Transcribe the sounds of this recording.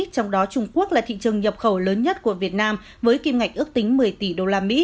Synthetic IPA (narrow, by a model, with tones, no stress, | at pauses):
t͡ɕɔ˧wŋ͡mɗɔ˨˦t͡ɕʊ˧ŋ͡mku˦˥ək̚laː˨˩t̪ʰḭ˧˨t͡ɕɨ˨˩əŋɲə˨˩p̚xə˧˩wləː˨˦nɲə˦˥t̚ku˧˩əvi˨˩ət̚naː˧m | vəː˨˦jki˧mŋa˨˩jk̟ʔɨ˦˥ək̚t̪ï˨˦ŋ̟mɨ˨˩əjt̪i˧˩ɗo˧laː˧mḭ˧˥